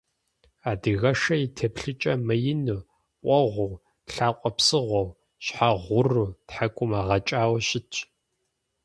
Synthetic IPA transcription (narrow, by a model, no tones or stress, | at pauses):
aːdɨɣɐʂɐitʰepɬɨt͡ʃʼɐmɐjɪnu | qʷʼɔʁʷʊw | ɬaːqʷʼɔpsɨʁʷɔw | ɕħaʁʷʊruːtħakʷʼʊmaːʁɐt͡ʃʼaːwɐɕɪt͡ʃʰʼ